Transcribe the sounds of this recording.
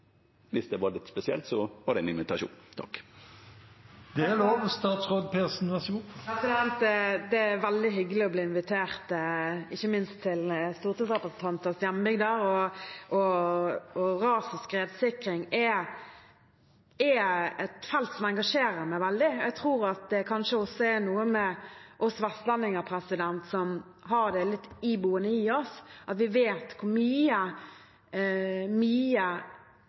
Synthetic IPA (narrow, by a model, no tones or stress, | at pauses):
ʋɪsd̪ɛʋɑɾlɪt̪spɛsɪɛ̰lt̪sɔʋɑɾd̪ɛnɪnʋɪt̪ʰɑʃṵːnt̪ʰɔ̰k | d̪̥ɛloːʋəst̪ɑːt̪sʁoːd̪̚pʰeːsn̩ʋæsuɑt̪ːəlʋɛnt̪̚d̪ɛd̪ɛæʋæld̪ɪɦʏɡəlɪɔbliːɪnʋɪt̪ʰeːʁt̪ɪçːəmɪnst̪ʰːɪlst̪uːʁt̪iːsʁɛpʁəsn̩t̪ɑnt̪ɑst̪jænbʏɡd̪əɾɔʔɔ | ɔɾɑːsɪskɾeːd̪sɪkɾɪŋɛ | ɛɛt̪fɛlt̪sɔmɛŋɡɑʂeːɾəɾmæɪʋɛld̪ɪæɡ̚t̪ʰɾuːɾɑt̪̚d̪ɛkʰɑnʂəɔsːɔænuːəmɛʔɔsɔʋɛst̪lɛnːɪŋəpʰɾɛsɪd̪ɛnt̪sɔm | ɦɑɾd̪ɛlɪt̪ːɪbuːənəɪɔsʔɑt̪ʋɪʋeːt̪kʰʊɾmyːə | myːə